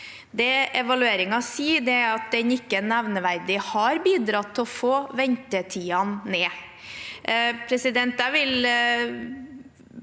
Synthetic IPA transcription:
d̪ɛɛʋɑlʉeːɾɪŋɑsiːd̪ɛæɑt̪̚d̪ɛnɪkːənæʋnəʋæɾd̪ɪhɑɾbiːd̪ɾɑt̪ʰːɪɔfoːʋɛnt̪ət̪ʰiːɑnːeː | pʰɾɛsɪd̪ɛnt̪æʋɪl

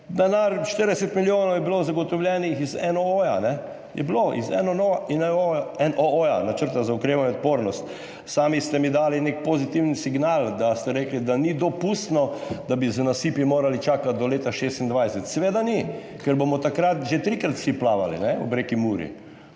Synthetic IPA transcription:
d̪ɛnaɾʃt̪əɾd̪ɛsɛt̪miljoːnowjɛbilozaɡɔt̪ɔwljɛnixizɛnoojanɛ | jɛ̰bloʔḭzɛ̰nɔnoainɛojaɛnʔoojanat͡ʃəɾt̪azaʊkɾeːʋanɲɛɔt̪̚poːɾnɔst̪ | saːmist̪ɛmid̪aːlinek̚pozit̪iwnisiɡnald̪ast̪ɛɾeːklid̪anid̪ɔpust̪nɔd̪abiznasipimoːɾalit͡ʃaːkat̪̚d̪ɔleːt̪aʃeːst̪ind̪ʋajsɛt̪sɛʋeːd̪ani | kɛɾbomɔt̪akɾat̪ʒet̪ɾikɾat̪fsiplaːʋa̰lḭnɛɔ̰bɾekimuːɾḭ

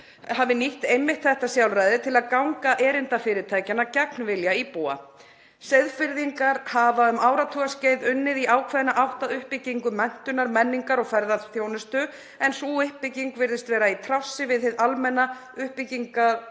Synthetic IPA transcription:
havɪniht̪ejmɪht̪θɛht̪asjawlrajðɪt̪ʰɪlaðkawŋkaʔɛːɾɪnt̪afɪːɾɪt̪ʰaːjcanacaknvɪljaipuːa̰ | seðfɪɾðiŋkaɾ̥havaʏmaːwɾat̪ʰuɣasceːjðʏnːɪðiʔaːwkʰvɛðɪnaʔawht̪aðʏhpɪciŋkʏmɛn̥t̪ʏnaɾmɛnːiŋkaɾɔɣfɛɾðaðθjownʏst̪ʏ | ɛnsuɪhpːɪciŋkvɪɾðɪst̪vɛːɾait̪ʰɾasɪvɪðθɪðalmɛnːa | ʏhpɪciŋka

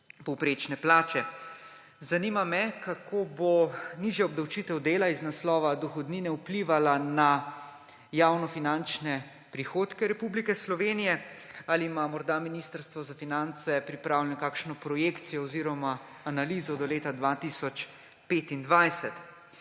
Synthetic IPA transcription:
pɔwpɾeːt͡ʃnɛplaːt͡ʃɛ | zanimamɛkakʰoːboniʒjaɔb̚d̪awt͡ʃiːt̪ɛwd̪eːlaiznaslɔːʋad̪ɔxɔd̪niːnɛupliːʋalana | jaːwnɔfinant͡ʃnɛ | pɾixoːt̪kɛɾɛpublikɛslɔʋeːnijɛalimamɔɾd̪aminist̪əɾst̪ʋɔzafinant̪sɛpɾipɾaːwljɛnɔkaːkʃnɔpɾɔjeːkt̪sijɔɔziːɾɔma | analiːzɔd̪ɔleːt̪ad̪ʋaːt̪isɔt͡ʃ | peːt̪ind̪ʋajsɛt̪

